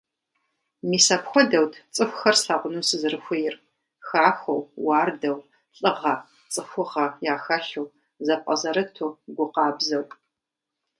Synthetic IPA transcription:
miːsɐpxʷɔdɐwtʰt͡sʼɨxʷxɐrsaːʁʷʊnusɨzɨrɨxʷʊjɪr | xaːxʷɐwwɑːrdɐw | ɬʼɨʁɐ | t͡sʼɨxʷʊʁɐjaːxɐɬuw | zɐp̚ʷʼɐzɐɾɨtʰuɡʷʊqɑːbzɐwtʼ

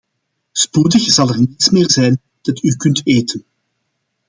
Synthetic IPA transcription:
spudəxz̥ɑlˠɛrnitsmɪːrzɛjn | d̥ɑtykɵnteːtən

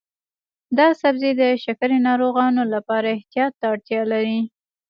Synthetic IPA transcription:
d̪ɑsabzed̪əʃakəɾenɑɾoɣɑnolapɑɾaɪht̪ijɑt̪ːaːɽt̪jɑlaɾi

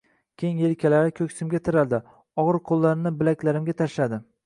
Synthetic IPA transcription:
kʲʰejŋelkʲʰalaɾɪkʲʰɵkʲsɪmɡʲat̪ʰɪɾald̪ɪ | ɒʁɨɾqʰolˠːaɾɪnɪbɪlakʲlaɾɪmɡʲat̪ʰaʃlad̪ɪ

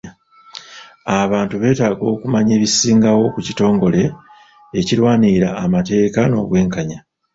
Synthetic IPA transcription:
aβaːntuβe̞ːtaːɡo̞ːkumaɲe̞ːβisiːŋɡawo̞kucito̞ːŋɡo̞le̞ː | cilwaːniɾaːmate̞ːkano̞̰ːβwe̞ːŋkaɲa

